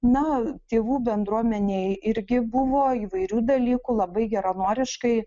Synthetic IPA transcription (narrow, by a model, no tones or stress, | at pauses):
nɐt̪ʲeːʋuːbʲɛnd̪ɾuɔmʲɛnʲeɪɪɾʲɡʲɪbʊʋoːiːʋɐɪɾʲuːd̪ɐlʲiːkulˠɐbɐɪɡʲɛɾɐnoːɾʲɪʃkɐɪ